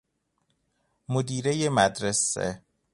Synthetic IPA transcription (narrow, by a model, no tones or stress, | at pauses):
mod̪iːɾejemæd̪ɾesḛ